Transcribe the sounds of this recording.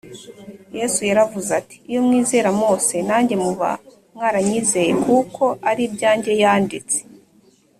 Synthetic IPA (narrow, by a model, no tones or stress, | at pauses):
je̞sujaɾavuzati̥ːjo̞mŋiːze̞ːɾamo̞ːse̞naːɲɟe̞muβa̰ | mŋaɾaɲize̞je̞kuko̞aɾibɟaːɲɟe̞jaːndit͡se